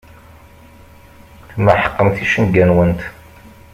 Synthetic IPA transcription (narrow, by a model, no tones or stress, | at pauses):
θməħə̥qːəmθiʃənɡænwənt̪